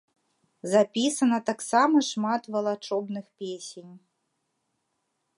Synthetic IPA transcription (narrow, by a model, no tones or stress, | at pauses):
zapʲisɐnɐt̪aksamɐʂmat̪vɐlˠat͡ʂɔbnɨxpʲesʲenʲ